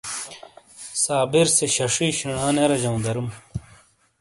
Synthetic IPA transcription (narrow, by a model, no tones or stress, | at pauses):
saːbiɾseɕɐʂiːɕiɳaːneɾɐd͡ʑɐw̃nd̪ɐɾum